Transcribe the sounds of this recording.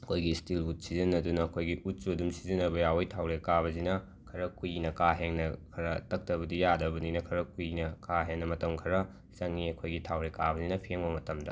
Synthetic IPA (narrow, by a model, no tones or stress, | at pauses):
ɐkʰojɡistilut̚sizinɐdunɐɐkʰojɡiʔut̚t͡ʃudumsizinɐbɐjawojtʰawɾekaβɐzinɐ | kʰɐɾɐkujnɐkaɦeŋnɐkʰɐɾɐtɐk̚tɐbɐdijadɐbɐninɐkʰɐɾɐkujnɐkaɦeŋnɐmɐtɐmkʰɐɾɐ | sɐŋːiɐkʰojɡitʰawɾekabɐzinɐpʰeŋbɐmɐtɐmdɐ̰